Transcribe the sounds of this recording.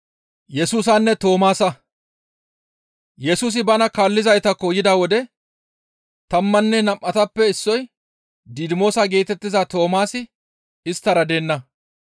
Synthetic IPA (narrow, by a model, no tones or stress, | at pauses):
jɛsuːs̬ɐnːɛt̪o̞ːmaːsɐ | jɛsuːs̬ɪbɐnɐkaːlːɪzɐjt̪ɐkɔjɪd̪awɔd̪ɛ | t̪ɐmːɐnːɛnɐmʔɐt̪ɐpːɛɪsːɔj | d̪id̪ɪmo̞ːsaɡe̞ːt̪ɛt̪ːɪzɐt̪o̞ːmaːsɪ | ɪst̪ːɐɾɐd̪eːnːɐ